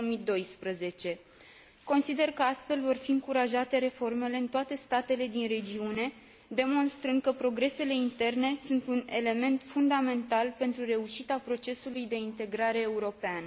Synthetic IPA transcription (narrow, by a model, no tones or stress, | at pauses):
mid̪o̞jspɾəze̞t͡ʃe̞ | ko̞nsid̪e̞rkəast̪fe̞lvo̞rfiɨŋkuɾaʒat̪e̞ɾe̞fo̞rme̞le̞ɨnt̪oat̪e̞st̪at̪e̞led̪inre̞d͡ʒiune̞ | d̪e̞mo̞nst̪ɾɨnd̪̚kəpɾo̞ɡɾe̞se̞le̞int̪e̞rne̞sunt̪une̞le̞me̞nt̪fund̪ame̞nt̪alpe̞nt̪ɾure̞uʃit̪apɾo̞t͡ʃe̞sulujd̪e̞int̪e̞ɡɾaɾe̞ːuɾo̞pean